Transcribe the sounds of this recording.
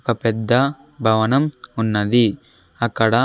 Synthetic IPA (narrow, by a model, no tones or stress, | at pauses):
kɐpɛd̪ːɐ | bʱɐʋɐnɐmunːɐd̪i | ɐkɐɽɐ